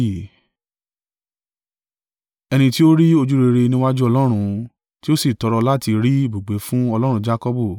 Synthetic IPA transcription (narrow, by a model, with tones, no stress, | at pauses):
ɛ˧nĩ˧ti˦o˦ɾi˦o˧d͡ʒu˦ɾe˧ɾe˧nĩ˦wa˦d͡ʒu˦ɔ˧lɔ˦ɾ̃ũ˧ | ti˦o˦si˦˨tɔ˨˧ɾɔ˧la˦ti˧ɾi˦i˦˨bo˨ɡ͡be˨˦fũ˦ɔ˧lɔ˦ɾ̃ũ˧d͡ʒa˦kɔ˦bu˦˨